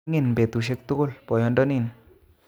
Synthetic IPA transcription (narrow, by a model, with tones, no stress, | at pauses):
ŋi˦˨nbe˨t̪u˨ʃ̬e˦˧k̚t̪u˦ko˦lpɔ˨jɔ˧ndɔ˦ni˦˨n